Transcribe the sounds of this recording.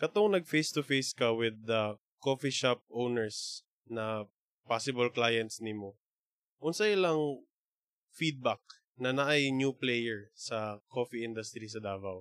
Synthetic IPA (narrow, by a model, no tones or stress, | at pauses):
kɐt̪oŋnɐɡ̚fejst̪ʊfejskɐwɪd̪ɐ | kofiʃap̚ʔownɛɹs | nɐ | pasɪbɐlklajɛnt̪snɪmo | ʔʊnsɐjɪlɐŋ | fid̪̚bak̚ | nɐnɐʔajnjuplɛjɛɹsɐkofiʔɪnd̪ʊst̪ɾisɐd̪aːvɐw